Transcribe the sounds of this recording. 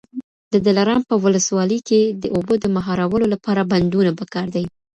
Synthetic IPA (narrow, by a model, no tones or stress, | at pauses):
d̪əd̪alaɾɑmpəwʊləswɑləjked̪əʔobəd̪əmaɦɑɾawəlolapɑɾaband̪unapəkɑɾd̪aj